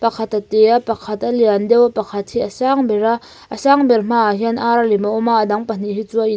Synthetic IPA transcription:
pɐkʰat̪ɐt̪ɛapɐkʰɐt̪aliand̪ɛwapɐkʰɐt̪̚hiʔɐsaŋbɛra | ʔəsaŋbɛrm̥aɦianʔaɾalimaʔɔmaʔːdaŋpɐn̥iɦit͡suaʔi

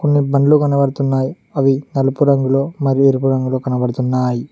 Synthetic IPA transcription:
kɔnːibɐnlokɐnɐʋɐɽɯt̪ːunːaːj | ɐʋinɐlɯpuɾɐŋɡɐɭoːmɐɾieɾɯpuɾɐŋɡɐɭoːkɐnɐʋɐɽɯt̪ːunːaːj

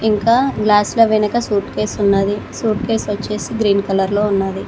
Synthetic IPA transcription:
iŋkaːɡlaːsloːʋinɐkɐsuːʈke̞ːsunːaːd̪isuːɾʈ̚ke̞ːsʋɐt͡ʃːe̞ːsiɡɾiːnkɐlɐɾlo̞ːunːaːd̪i

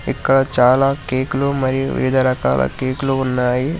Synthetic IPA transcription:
ikːɐɭɐt͡ʃaːlakeːklumɐɾiʋḭʋid̪ɐɾɐka̰ːla̰keːkluunːaːji

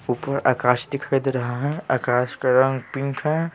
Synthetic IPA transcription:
uːpəɾa̰ːkaːʃt̪ikʰəd̪ɾɐɦaɦɛ̃aːkaːʃkɐɾə̃ŋɡpɪ̃ŋkʰɦɛ̃

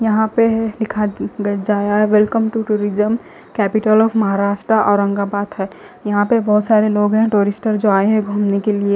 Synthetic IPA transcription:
jɐɦãpelɪkʰaɡd͡ʒaːjaɦɛʋɛlkəmʈuʈuːɾɪd͡ʒəm | kɛːpɪʈəlɔːfʰmɐɦaɾaːʃʈɾaʔɔːɾɐ̃ŋɡabaːd̪ɦɛː | jɐɦãpebɐɦʊt̪saːɾeloːɡɦɛ̃ʈoːɾɪsʈəɾd͡ʒoːaːeɦɛ̃ɡʱuːmnekelie

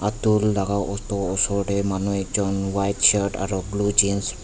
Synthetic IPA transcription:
at̪uldaɡawʔɔt̪ɔɔsɔɾʈemanuɛk̚d͡ʒɔnwajtʃaɾʈa̰ɾɔblud͡ʒins

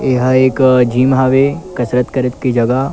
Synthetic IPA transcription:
eɦeːkd͡ʒiːmɦaːʋekɐsɾət̪kɐɾɪt̪kid͡ʒɐɡa

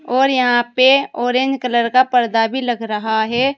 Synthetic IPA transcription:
ɔːɾjɐɦãpeoːɾend͡ʒkələɾkapəɾd̪abʱiləɡɾəɦaɦɛ

